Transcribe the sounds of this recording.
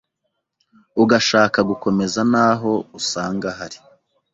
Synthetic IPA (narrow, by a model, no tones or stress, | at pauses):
uɡaʃaːkaɡuko̞me̞zanaːɦo̞usaːŋɡaɦaɾi̥